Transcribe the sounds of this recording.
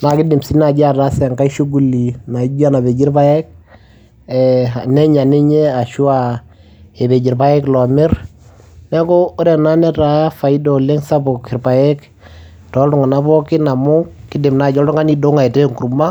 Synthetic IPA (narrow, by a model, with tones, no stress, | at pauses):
na˨kɪ˦dɪ˨msi˦na˨d͡ʒa˦˨ɾa˦sɛ˨ŋka˦ʃu˦ɡu˨li˨na˨˦d͡ʒa˦na˨be˨d͡ʒɪ˦ɾpa˦jɛ˦k̚ | ɛ˨anɛ˦ɲa˨ni˦ɲɛ˦a˨ʃu˦a˨ | ɛ˨be˨d͡ʒɪ˨ɾpa˦jɛ˦klɔ˨mɪ˦ɾ | nɛ˦kɔ˦ʊ˦ɾɛ˨na˦nɛ˦ɾa˨ja˦fa˨i˦dɔ˨le˦ŋsa˦bɔ˨kɪ˨ɾpa˨jɛ˦k | tɔ˨˦ltʊ˦ŋa˨na˦bɔ˦kɪ˦na˨mʊ˦kɪ˦dɪ˨mna˨d͡ʒɔ˦ltʊ˦ŋa˦ni˦dɔ˦ŋa˨i˨te˦ŋku˨ɾma˦